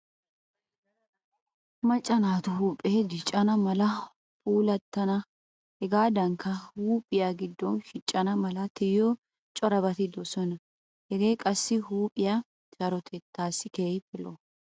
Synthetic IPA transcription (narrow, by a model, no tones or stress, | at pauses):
mɐt͡ʃʼːɐnaːt̪ʊɦuːpʼeːd͡ʒɪt͡ʃʼːɐnɐmɐlɐ | pʰuːlɐt̪ːɐnɐ | hɛɡaːd̪ɐŋkʰːɐhuːpʼɪjaɡɪd̪ːɔnʃɪt͡ʃʼːɐnɐmɐlɐt̪ɪjɔ | t͡ʃʼɔɾɐbɐt̪ɪd̪ɔsɔnɐ | hɛɡeːkʼɐsːɪhuːpʼɪja | t͡ʃɐɾɔt̪ʰɛt̪ːaːsːɪkeːjpɪlɔ̰